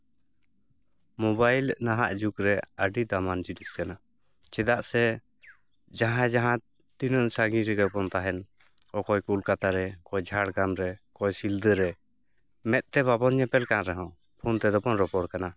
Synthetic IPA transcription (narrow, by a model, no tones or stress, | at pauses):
mɔbajlʔnaɦa̰ʔd͡ʒukɾɛəɖid̪amand͡ʒiniskana | t͡ʃɛd̪aʔsɛ | d͡ʒaɦãd͡ʒaɦã | t̪inənsaɡĩɾɛɡɛʔpɔnt̪aɦɛn | ɔkɔjkulkat̪aɾɛkɔjd͡ʒʱaɽɡamɾɛkɔjsild̪əɾɛ | mɛt̪̚ˀt̪ɛβabɔnɲɛpɛlkanɾɛɦɔ̃ | pʰunt̪ɛd̪ɔpɔnɾɔpɔɽkana